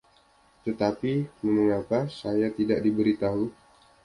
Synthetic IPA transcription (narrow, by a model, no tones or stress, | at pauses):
t̪ət̪apiməŋəŋapasajat̪idaʔ̚dibəɾit̪aɦu